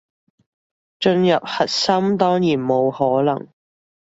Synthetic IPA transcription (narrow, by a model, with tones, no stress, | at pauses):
t͡ʃɵ˧njɐ˨p̚hɐ˨t̚sɐ˥mt̪ɔː˥ŋjiː˨˩nmo˨˧whɔː˨˥lɐ˨˩ŋ